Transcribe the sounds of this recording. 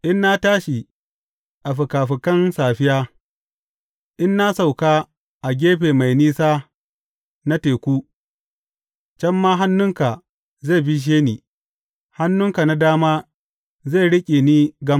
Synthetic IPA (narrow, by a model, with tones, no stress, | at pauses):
ʔɪ˦nːa˦taː˦ʃi˨ | ʔa˨ɸɪ˨kaː˨ɸɪ˨kɐ˦nsaː˨ɸɪ˦jaː˦ | ʔɪ˦nːa˦sa˨wkaː˦ | ʔa˨ɡʲeː˦ɸeː˨ma˨jniː˦saː˦ | na˦teː˨kʷuː˦ | t͡ʃɛ˦mːaː˦ɦa˦nːʊ˦ŋka˨ | za˦˨bi˦ʃ̬eː˦niː˨ | ha˦nːʊ˦ŋka˨na˦daː˦maː˦ | za˦˨ɽɪ˦kʲʼe˨niː˦ɡɐ˦m